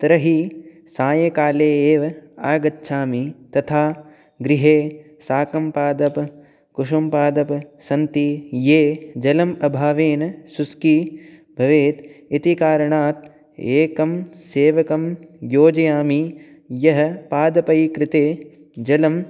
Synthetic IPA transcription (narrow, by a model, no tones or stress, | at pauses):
t̪ɾɐɦi | saːjɐkaːleːeːʋɐaːɡɐt̪ːʃʰaːmit̪ɐt̪ʰaː | ɡɾɪɦeː | saːkɐmpaːd̪ɐp | kuʂumpaːd̪ɐpsɐnt̪ijeːd͡ʒɐlɐmɐbʱaːʋeːnɐsuskibʱɐʋeːt̪it̪ikaːɾɐɳaːt̪̚ | eːkɐmseːʋɐkɐmjoːd͡ʒɐjaːmi | jɐɦɐ̆paːd̪ɐpɐjkɾɪt̪eː | d͡ʒɐlɐm